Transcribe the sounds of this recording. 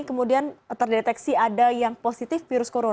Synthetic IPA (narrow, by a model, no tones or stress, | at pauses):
kəmudiant̪ərdet̪ɛksiadajaŋposit̪ɪfːiɾʊskoɾon